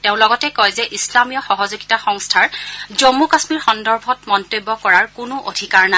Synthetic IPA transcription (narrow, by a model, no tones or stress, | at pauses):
teʊ̃lɔɡɔtɛkɔjzɛʔislamijɔxɔɦɔzoɡitaxɔŋstʰaɹzomukasmiɹxɔndɔɹbʱɔtmɔntobːɔkɔɹaɹkʊnʊʔodʱikaɹna